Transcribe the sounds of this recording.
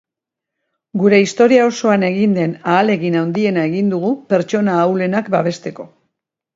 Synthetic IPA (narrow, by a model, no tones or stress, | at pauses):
ɡuɾe̞ist̪o̞ɾiao̞so̞ane̞ɣind̪e̞naːle̞ɣinawnd̪ie̞nae̞ɣind̪uɣ̞upe̞ɾt͡ʃo̞naːwle̞nakbaβ̞e̞st̪e̞ko̞